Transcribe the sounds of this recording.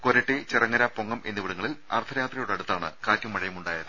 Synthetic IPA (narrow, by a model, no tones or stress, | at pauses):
koɾeʈːet͡ɕerɐŋːɐɾapoŋːɐmʔe̞nːiʋiɽɐŋːɐɭilɐ̰rt̪ʰːɐjaːt̪rijuɽeɐɽut̪ːaːɳɨ̰kaːtʲjumɐɻɐjɐmuɳɖaːjɐðɨ